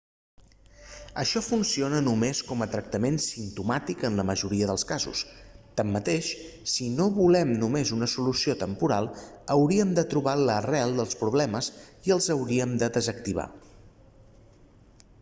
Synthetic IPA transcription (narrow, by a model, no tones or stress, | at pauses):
əʃɔfunsionənumeskɔmət̪ɾək̚t̪əmensimt̪umat̪ikənləməʒuɾiəðəlˠskazṵst̪amːət̪eʃ | sinoβulɛmnumezunəsulusiot̪əmpuɾalˠ | əwɾiəmd̪ət̪ɾuβalərɛlˠd̪əlˠspɾuβlɛməziəlˠzəwɾiəmd̪əðəzək̚t̪iβ̞a̰